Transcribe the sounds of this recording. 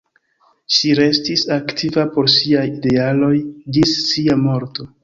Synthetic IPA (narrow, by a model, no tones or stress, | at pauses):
ʃiɾe̞stisaktʰivapo̞ɾsiajide̞alo̞jd͡ʒisːiamo̞ɾto̞